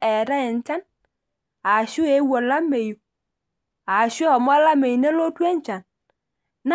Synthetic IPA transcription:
ɛ˨ɾa˦ɛ˨n̩˦t͡ʃa˦n | a˨ʃu˦e˨˦wo˨la˦me˨ju˨ | a˨ʃu˦hɔ˨m˦a˦la˦me˨ji˨ne˦lo˦tʷe˦n̩˦t͡ʃa˨n | na˦

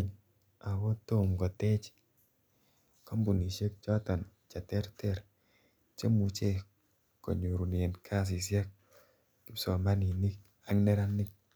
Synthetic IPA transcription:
ɲ | a˨wɔ˦to˦mɡɔ˨tɛ˦t͡ʃ | kɔ˦mbu˨ni˨ʃe˦k̚t͡ʃɔ˦tɔ˨nt͡ʃa˨tɛ˦ɾtɛ˦ɾ | t͡ʃe˦mu˨t͡ʃe˦ | kɔ̰˨ɲu˨ɾu˨n˨e˨nkʰa˦s̬i˨sja˦k̚ | ki˨˦psɔ˨ma˦ni˨ni˦k̚ | a˨ŋnɛ˦ɾa˦ni˦k̚

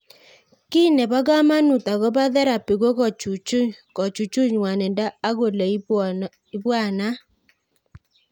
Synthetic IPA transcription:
ki˦nɛ˨ba˦ɡa˦ma˦nu˨ta˨ɡɔ˦ba˦ðɛ˦ɾa˨pi˨ɡo˦kɔ˨t͡ʃu˨t͡ʃu˦ɲkɔ˨t͡ʃu˨t͡ʃu˦ɲ˨wa˨nɛ˨nda˦a˦ɡo˨la˨˦ | i˦bwa˦˨na˦

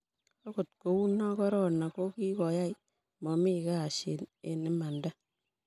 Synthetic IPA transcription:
o˦ko˨tko˨wu˦na˦kɔ˦ɾɔ˦na˨ko˦ki˦kɔ˨ja˦i | mɔ˨mi˦kaː˦˨ʃe˨ne˨nɪ˦ma˨nda˦

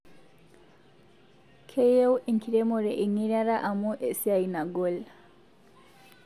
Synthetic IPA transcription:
kʰe˦je˦wi˨ŋkʰiɾe˦moɾe˨ʔi˨ŋi˦ɾa˦ɾa˦ʔa˨mu˦ʔe˨sia˨ina˨ɡol

